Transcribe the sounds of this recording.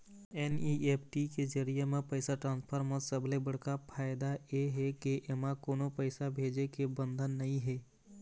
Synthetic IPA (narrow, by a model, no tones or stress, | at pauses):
ɛnieːpʰʈiked͡ʒəɾijemẽpəɪsaʈɾãːnspʰəɾmẽsəblebəɽ̤kapʰaːjɪd̪aeɦɛkeʔemãkoːnopəɪsabʱeːd͡ʒekebə̃nd̪ʱənːɐɦĩɦɛː